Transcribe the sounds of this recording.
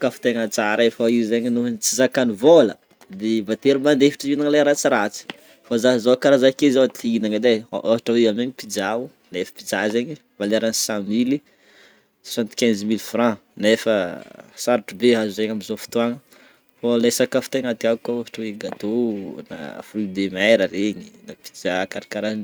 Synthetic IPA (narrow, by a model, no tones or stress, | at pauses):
kafi̥t̪eŋat͡saɾefaieɲinuɦnt͡sizakanivolə | d̪ebat̪eɾimand̪efi̥ʈ͡ʂiinaŋlaɾat͡siɾat͡si̥ | fazazokaɾazakezot̪iinaŋad̪eʔaɦaʈ͡ʂaweameɲipid͡zau | nefə̥pid͡zazeɲi | valeɾansãmili | ssãnt̪u̥kʲɛ̃zmilfrã | nefəsaɾaʈ͡ʂubeɦazuzeɲamizofi̥t̪uaŋə | folesakafi̥t̪eŋat̪iakaaɦḁʈ͡ʂəweɡat̪ona̰fid̪emajɾəɾeɲinapi̥d͡ʒakaɾakaɾan